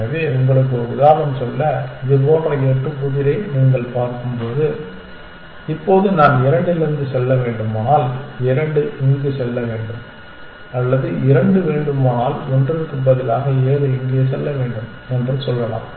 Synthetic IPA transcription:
ɐʋeːʊŋɡɐɭɯk̬ːɯʊðaːʋɐmsɔlːɐɪðɯkoːɽrɐeːʈrɯpʊðɪɾɐɪniːŋɡɐɭpaːɾkɯmpoːðɯ | ɪpːoːðɯnaːnɪɾɐɳɖɯlɪɾnd̪ɯsɛlːɐʋeːɳɖɯmaːnaːlɪɾɐɳɖɯɪnd̪ɯsɛlːɐʋeːɳɖɯm | ɐlːɐðɯɪɾɐɳɖɯʋeːɳɖɯmaːnaːlɔndrɪɾɯkːɯmbɐðɪlaːɣɐeːɾɯɪŋɡɪjɐs̬ɛlːɐʋeːɳɖɯm | ɛndrɯsɔlːɐla̰ːm

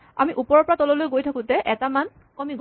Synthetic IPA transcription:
a̰miʔupɔɹɔpɔɹatɔlɔlojɡojtʰakʊ̃tɛʔɛtaman | kɔmiɡ

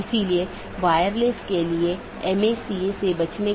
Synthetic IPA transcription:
ɪsilie | ʋaːjəɾlɪskelie | ɛmesiesebɐt͡ʃne

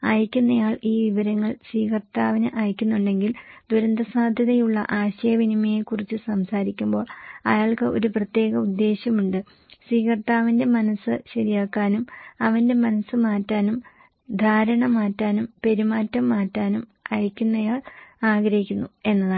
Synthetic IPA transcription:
ɐjikʲːunːɐjaːɭiːʋiʋɐɾɐŋːɐɭswiːkɐrt̪aːʋɐnɨʔaːjkʲːunːuɳɖe̞ŋɡild̪uɾɐnd̪ɐsaːd̪ʱjɐðɐjuɭːɐ̰ʔaːɕɐjɐʋinimɐjekurit͡ɕːɨsɐmsaːɾikʲːumbo̞ːɭɐ̰jaːɭkɨʔo̞̰ɾuprɐt̪je̞ːɣɐud̪ːe̞ːɕjɐmuɳɖɨ | swiːkɐrt̪aːʋinde̞mɐnɐsːɨɕɐɾijaːkːaːnumɐʋɐnde̞mɐnɐsːɨmaːtːaːnum | d̪ʱaːɾɐɳɐmaːtːaːnumpe̞ɾimaːtːɐmːaːtːaːnumɐjikʲːunːɐjaːɭaːɡɾɐhikʲːunːue̞nːɐða

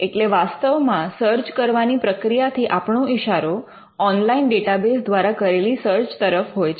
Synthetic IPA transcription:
eʈleʋast̪əʋmãsəɾd͡ʒkəɾʋanipɾəkɾijat̪ʰiʔapɳoiʃaɾo | ɔnlainɖeʈabesd̪ʋaɾakəɾelisəɾd͡ʒt̪əɾəfɦojt͡ʃʰ

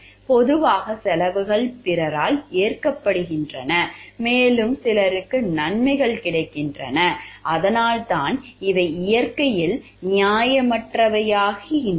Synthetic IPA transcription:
pɔðɯʋaːɣɐsɛlɐʋɯɣɐɭpɪɾɐɾaːleːrkɐpːɐɽɯɣɪndrɐnɐmeːlɯmsɪlɐɾɯkːɯnɐɳmɐɪɣɐɭkɪɽɐɪkːɪndrɐ̰nɐʔɐðɐnaːlt̪aːnɪʋɐɪɪjɐɾkɐjɪl | nɪjaːjɐmɐʈrɐʋɐjaːɣiɪn

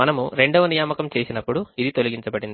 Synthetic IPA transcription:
ɐnɐmuɾe̞ɳɖɐʋɐnijaːmɐkɐmt͡ʃe̞ːsinɐpːuɽuid̪it̪o̞liɡiɲt͡ʃɐbɐɽind̪i

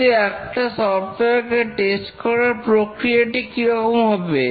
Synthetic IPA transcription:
eɛkʈasɔɾʈ̪oaɾkeʈesʈkɔɾaɾpɾokɾijaʈikiɾɔkomɦɔbe

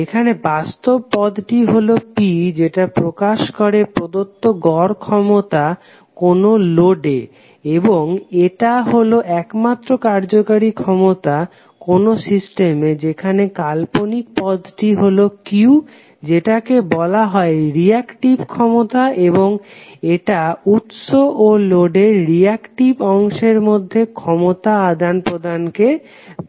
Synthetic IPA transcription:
ekʰanebast̪obpɔd̪ʈiɦolopid͡ʑeʈapɾokaʃkoɾepɾod̪ot̪ːoɡɔɾkʰɔmot̪a | konoloɖḛ | eboŋeʈaɦoloʔɛkmat̪ːɾokaɾd͡ʑokaɾikʰɔmot̪a | konosisʈemed͡ʑekʰanekalponik̚pɔd̪ʈiɦolokiu | d͡ʑeʈakebɔlaɦɔeɾiɛkʈibkʰɔmot̪aʔeβoŋeʈaut̪ʃoʔoloɖeɾːiɛkʈibɔŋʃeɾmod̪ʱːekʰɔmot̪aad̪ʱanpɾod̪ʱanke

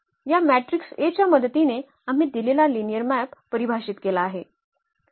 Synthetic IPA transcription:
jamæʈɾikset͡ɕjaməd̪ət̪ine | am̤iːd̪ilelalinijəɾmæpːəɾibʱaɕit̪kelaːɦe

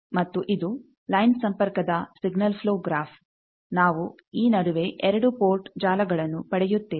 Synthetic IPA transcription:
mɐt̪ːuʔid̪u | lɐjnsɐmpɐɾkɐd̪ɐsiɡnɐlpʰloːɡɾaːpʰ | naːʋu | iːnɐɽuʋe̞ʔɛɾɐɽupoːɾʈd͡ʒaːlɐɡɐɭɐnːupɐɽɛjut̪ːeː

